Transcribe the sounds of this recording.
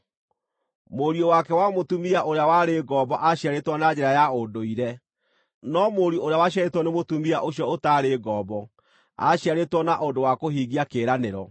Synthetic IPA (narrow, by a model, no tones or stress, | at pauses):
moɾiɔwakɛwamotumiaʔoɾeawaɾeɡɔːbɔʔaɕjaɾetwɔnad͡ʑɛɾajaodoiɾɛ | nɔmoɾooɾeawaɕjaɾetwɔnemotumiaʔoɕjɔotaɾeɡɔːbɔ | a̰ɕjaɾetwɔnaʔodowakoɦiɡiakeːɾaneɾɔ